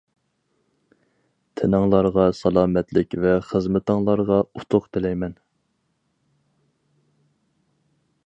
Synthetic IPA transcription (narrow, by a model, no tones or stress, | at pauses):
t̪ʰɪnɨŋlˠɑɾʁɑsɑlˠɑːmɛt̪lɪkʲvɛχəzmɪt̪ɨŋlˠɑɾʁɑut̪ʰʊqt̪ʰɪlɛjmɛn